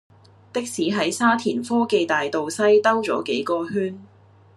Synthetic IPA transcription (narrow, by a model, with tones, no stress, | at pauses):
t̪ɪ˥k̚siː˨˥ɦɐ˨˥jsaː˥t̪ʰiː˨˩nfɔː˥ke˨jt̪aː˨jt̪o˨wsɐ˥jt̪ɐ˥wt͡sɔ̰ː˨˥ke˨˥jkɔː˨˧hyː˥n